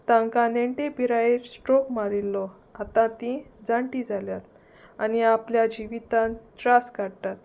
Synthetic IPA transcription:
t̪ãŋkaneɳʈepiɾaeɾsʈɾokmaɾilːɔ | at̪ãt̪ĩd͡zaɳʈid͡zʱaljat̪̚ | aniapljad͡ʑiʋit̪ãntɾaskaɽt̪at̪̚

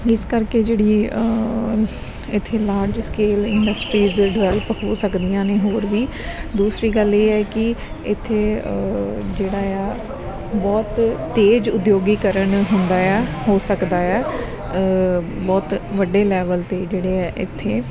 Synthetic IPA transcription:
ɪskəɾkeːd͡ʒeːɽiːə | ɪt̪ʰːeːlaːɾd͡ʒskeːlɪ̃ɳɖəsʈɾiːzɖʋɛːləphoːsəkd̪ɪjãːneːɦoːɾʋiːd̪uːsɾiːɡəleːɛːkɪ | ɪt̪ʰːeː | d͡ʒeːɽaːaː | bɔːt̪ːeːd͡ʒʊd̪joːɡiːkəɾəɳɦʊ̃nd̪aːɛːɦoːsəkd̪aːɛː | bɔːt̪ʋəɖeːlɛːʋəlt̪eːd͡ʒeːɽeːɛːʔɪ̰t̪ʰːeː

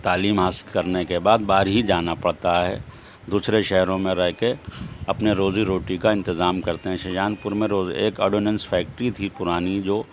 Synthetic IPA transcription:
t̪aːliːmɦaːsɪ̥lkɐɾnekebaːd̪baːɾɦid͡ʒaːnapɐɽ̤t̪aɦɛː | d̪uːsɾeʃɛɦɾõmẽɾɛɦkeɐpneɾoːziɾoːʈikaɪ̃nt̪ɪzaːmkɐɾt̪eɦɛ̃ʃɐd͡ʒaːnpʊɾmẽɾoːzeːkɐːɖoːnə̃nsfʰɛːk̚ʈɾit̪ʰipʊɾaːnid͡ʒoː

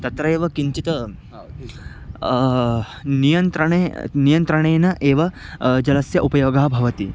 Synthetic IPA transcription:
t̪ɐt̪ɾɐeːʋɐkiɲt͡ʃit̪ɐ | nijɐnt̪ɾɐɳeːnijɐnt̪ɾɐɳeːnɐʔeːʋɐd͡ʒɐlɐsjɐʔupɐjoːɡaːbʱɐʋɐt̪ḭ

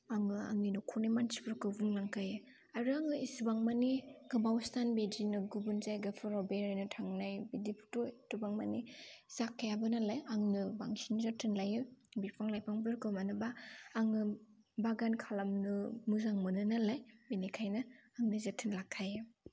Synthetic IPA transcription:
aŋɯa̰ŋninukʰunimansi̥bɯɾkɯbuŋlaŋkʰajɯ | aɾuaŋɯisibaŋmaniɡɯbawstanbed͡ʒinɯɡubunzajɡapʰɯɾɔbeɾajnɯtʰaŋnajbidipʰu̥totubaŋmanizakʰːajabɯnalajaŋnɯbaŋsinzatʰɯnlajɯbipʰaŋlajpʰaŋbɯɾkɯmanɯbaːŋɯ | baɡankʰalamnɯmuzaŋmɯnɯnalajbenekʰajnɯaŋnɯzatʰɯnlakʰːajɯ

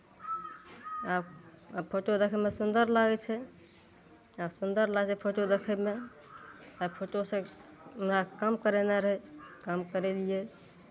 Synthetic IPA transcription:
abapʰoʈod̪ekʰəmesund̪əɾlaɡɛt͡ʃʰɛ | absund̪əɾlaɡt͡ʃʰɛpʰoʈod̪ekʰəme | t̪apʰoʈosə̃əmɾakamkəɾeneɾəɦɛkamkəɾelijɛ

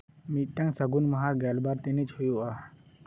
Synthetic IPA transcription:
miʈːə̃ŋsəɡuːnməɦaɡalbaɾt̪enet͡ʃɦujua

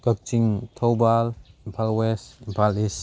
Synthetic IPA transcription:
kɐk̚t͡ʃiŋtʰɔwbalimpʰalwesimpʰalis

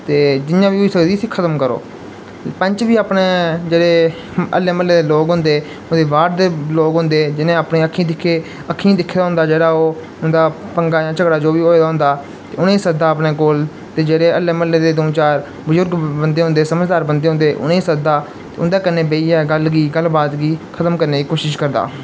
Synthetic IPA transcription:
t̪eːd͡ʒɪnjãːʋiːɦoiːsəkd̪iːsiːkʰət̪əmkəɾo̰ː | pə̃ɲt͡ʃʋiːaːpneːd͡ʒeːɽeː | ə̰lːeːməlːeːd̪eːloːɡɦʊ̃nd̪eː | od̪eːʋaːɾd̪eːloːɡɦʊ̃nd̪eːd͡ʒɪnẽːaːpnẽːəkʰːĩːd̪ɪkʰːeː | əkʰːĩːd̪ɪkʰːeːd̪aɦʊ̃nd̪aːd͡ʒeːɽaːoː | ʊnd̪aːpəŋɡaːjãːt͡ʃəɡɽaːd͡ʒoːʋiːɦoːeːd̪aɦʊ̃nd̪aː | t̪eːʊnẽːsəd̪aːpneːkoːl | t̪eːd͡ʒeːɽeːəlːeːməlːeːd̪eːd̪oːt͡ʃaːɾ | bəzʊɾɡbənd̪eːɦʊ̃nd̪eːsəməd͡ʒd̪aːɾbənd̪eːɦʊ̃nd̪eːʔʊ̰nẽiːsəd̪aː | t̪eːʊ̰nd̪aːkənːeːbeːiːɛːɡəlɡiːɡəlbaːt̪ɡiːkʰət̪əmkəɾneːɡiːkoːʃɪʃkəɾd̪a̰ː

